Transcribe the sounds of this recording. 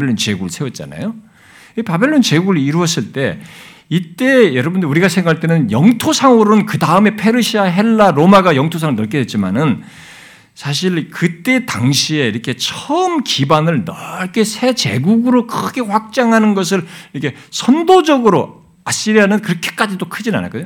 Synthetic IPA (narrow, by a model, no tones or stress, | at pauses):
eɭːont͡ɕe̞ɡuɯɭsʰe̞wʌt̚t͡ɕ͈a̰na̰jo | pabe̞ɭːont͡ɕeɡuɯɭiɾuʌs͈ɯɭt͈e̞ | it͈e̞jʌɾʌbundɯuɾiɡasʰe̞ŋɡaaɭt͈ʰenɯnjʌŋtʰosʰaŋɯɾonkɯdaɯme̞pʰe̞ɾɯɕʰiaɦe̞ɭːaɾomaɡajʌŋtʰosʰaŋɯɭnʌɭk͈ʰedwe̞t̚t͡ɕ͈ima̰nɯn | sʰaɕ̬ʰiɭkɯt͈e̞taŋɕʰie̞iɾʌkʰe̞t͡ɕʰʌmkibanɯɭnʌɭk͈esʰe̞t͡ɕe̞̰ɡuɡɯɾokʰɯɡeɸwak̚t͡ɕ͈aŋɦanɯnɡʌs̬ʰɯɭiɾʌkʰe̞ | sʰʌndod͡ʑʌɡɯɾo | aɕ͈iɾiɦanɯnkɯɾʌkʰe̥k͈ad͡ʑidokʰɯd͡ʑina̰na̰ɭk͈ʌɲo